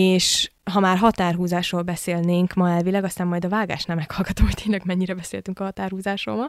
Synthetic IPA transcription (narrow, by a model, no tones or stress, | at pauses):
eːʃɦɒmaːrɦɒt̪aːrɦuːzaːʃroːlbɛseːlneːŋkmɒɛlvilɛɡɒst̪aːmːɒjd̪ɒvaːlɡa̰ːʃnɛmːɛkhɒlɡɒt̪omho̥t̪eːnlɛɡmɛɲːiɾɛbɛseːlt̪yŋkɒɦɒt̪aːrhuːzaːʃo̰ːmɒl